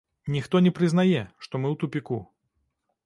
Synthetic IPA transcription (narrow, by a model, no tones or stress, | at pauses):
nʲixt̪ɔnʲɛpɾʲɨznajɛʂt̪ɔmɨwt̪upʲiku